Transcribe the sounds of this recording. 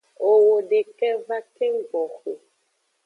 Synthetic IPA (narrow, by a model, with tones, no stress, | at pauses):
o˨wo˨ɖe˨kɛ˦va˦ke˦ŋ˦ɡ͡bɔ˨xo˨